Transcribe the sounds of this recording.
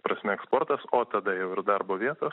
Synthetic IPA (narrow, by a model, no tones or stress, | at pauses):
pɾɐsʲmʲɛɛkspoɾt̪ɐsoːt̪ɐd̪ɐjɛʊɪɾd̪ɑɾboːʋʲiɛt̪oːs